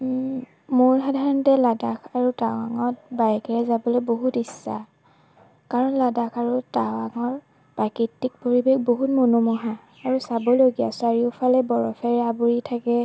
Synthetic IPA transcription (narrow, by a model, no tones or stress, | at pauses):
mʊɹxadʱaɹɔntɛladakʰaɹutawaŋɔt̚bajɛkɛɹɛzabɔlɛboɦutisːa̰ | kaɹɔnladakʰaɹutawaŋɔɹ | pakitːik̚poɹibexboɦutmonɔmɔɦaː | ɹusabɔloɡija̰saɹiʊpʰalɛbɔɹɔpʰɛɹabuɹitʰakɛ